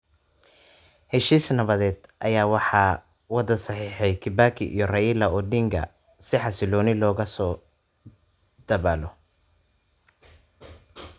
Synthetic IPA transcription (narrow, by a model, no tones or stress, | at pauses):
hɛʃiːsnɐβɐðɛːd̪ʔɐjaːwɑħɑː | wɑd̪ɐsɐħiːħɛjkʰɪbakʰɪʔḭjɔrɐjɪlɐɔːɖɪŋɡʰɐ̰ | sɪħɑsɪlɔːnɪlɔːɣɐsɔː | d̪̥ɐβaːlɔ